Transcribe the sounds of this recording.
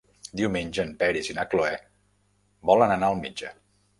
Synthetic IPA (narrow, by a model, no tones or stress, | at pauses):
d̪iuwmenʲd͡ʒəmpɛɾizinakloɛ | bɔlənənaəlˠmid͡ʒə